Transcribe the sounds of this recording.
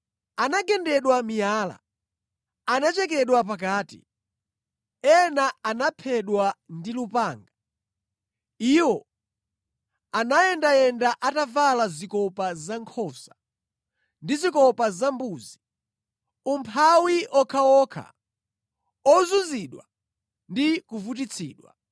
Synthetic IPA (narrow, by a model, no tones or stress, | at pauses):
anaɡɛndɛɗwamijaːla̰ | anat͡ʃɛk̬ɛɗwap̬ak̬aːtḭ | ɛnaanapʰɛɗwandilupaːŋɡa | iwɔ | anajɛndajɛndaʔatavalazikɔpazaŋkʰɔsḁ | ndizikɔpazambuːzi | umpʰawiʔɔkʰaɔkʰa̰ | ɔzuziɗwa | ndikuvut̬it͡sʰiːɗwa̰